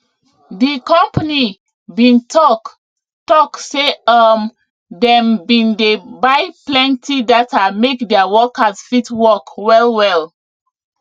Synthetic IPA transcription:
dikɔ̃mpani | bĩntʰɔk | tɔkseam | dɛ̃mbĩndebajplɛ̃ntʰidatamekdɛawɔkazfitwɔkwɛlwɛl

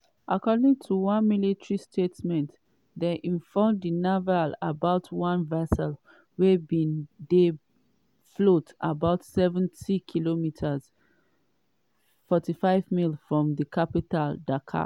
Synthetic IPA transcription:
ʔakɔdĩŋtʰuwãnmilitʰɹistʰetmɛ̃nt | deʔĩnfɔmdinavalabaʊtʰwãnvɛsɛl | wɛbĩnde | flotabaʊtsɛvɛ̃ntikʰilomitʰaz̥ | fɔtifaɪvmilfɹɔ̃mðəkʰapitaldakʰa̰

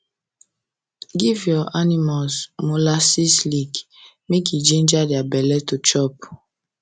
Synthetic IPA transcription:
ɡivjɔʔanimasmolasislik | mek̬id͡ʒẽnd͡ʒadiabɛlɛtut͡ʃɔp̚

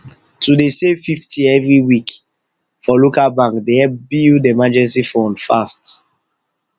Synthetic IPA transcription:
tudesefiftʰiɛvɹiwik | fɔlokalbãŋkdehɛp̚bildemad͡ʒɛ̃nsifɔ̃nfast

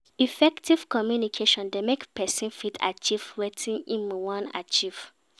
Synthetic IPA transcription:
ifɛktiv̥kɔmjunikʰeʃɔ̃ndemekpɛsĩnfitʰa̰t͡ʃivwetʰĩnĩnmiwɔ̃na̰t͡ʃiv̥

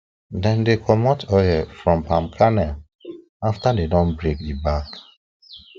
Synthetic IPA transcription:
dɛ̃ndekʰɔmɔtʰɔjɛfɹɔ̃mpãmkʰanɛl | aftadedɔ̃nbɹekdibak

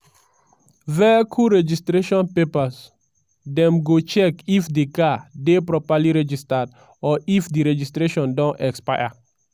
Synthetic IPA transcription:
vɛkʰuɾɛd͡ʒistɾeʃɔ̃npepas | dɛ̃mɡot͡ʃɛkifdekadepɾɔpaliɾɛd͡ʒistad̚ | ɔifdiɾɛd͡ʒistɾeʃɔ̃ndɔ̃nɛkspaa̰

